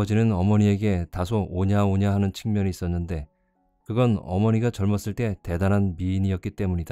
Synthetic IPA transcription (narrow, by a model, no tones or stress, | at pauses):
ʌd͡ʑinɯnʌmʌɲie̞ɡe̞tasʰooɲaoɲaɦanɯnt͡ɕʰi̥ŋmjʌniːs͈ʌnːɯnde̞ | kɯɡʌnʌ̰mʌɲiɡat͡ɕʌɭmʌs͈ɯɭt͈e̞te̞danɦanmiːɲijʌt̚k͈it͈e̞muɲida